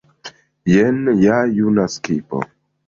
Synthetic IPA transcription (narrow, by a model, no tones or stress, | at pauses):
jenjajunaskipo̰